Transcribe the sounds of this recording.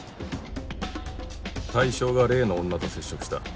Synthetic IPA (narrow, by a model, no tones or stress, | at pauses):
t̪aiɕo̞ːɡaɾe̞ːnõːnːat̪o̞se̞ɕːo̞kɯ̟ɕi̥t̪a̰